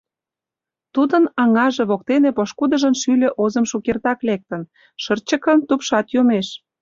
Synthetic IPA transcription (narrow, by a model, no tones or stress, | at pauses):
t̪ud̪ənɑŋɑʒĕβok̚t̪enĕpoʃkud̪ə̆ʒənʃylʲĕʔozəmʃukert̪ɑklek̚t̪ə̆n | ʃərt͡ɕə̆kənt̪upʃɑt̪jomeʃ